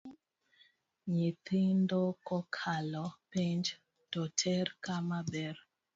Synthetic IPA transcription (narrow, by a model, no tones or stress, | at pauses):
ɲit̪ɪndokɔkʰalɔpeɲd͡ʒ | tɔtʰɛɾkamabɛɾ